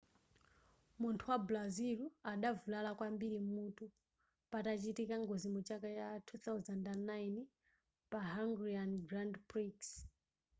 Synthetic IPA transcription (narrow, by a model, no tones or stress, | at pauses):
muntʰuwablaziluaɗavulalakwambiɾimutu | patat͡ʃitikaŋɡɔzimut͡ʃakat͡ʃatʰuθawzandanːajn | paɦaŋɡɾianɡɾandpɾiks